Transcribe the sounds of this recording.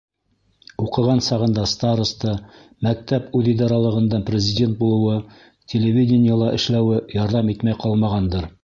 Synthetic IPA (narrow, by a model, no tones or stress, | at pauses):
uqɤ̆ʁɑnsɑʁɤ̆nd̪ɑst̪aɾust̪ɤ | mæk̚t̪æpʉðid̪ɑɾɑlˠɤ̆ʁɤ̆nd̪ɑɴprʲɪzʲɪdʲe̞nt̪̚bulˠɤ̆wɤ | tʲʰelʲevʲidʲɪnʲɪjəlˠɑʔɘ̆ʃlæwɘjɑɾðɑmit̪mæjqɑlˠmɑʁɑnd̪ɤɾ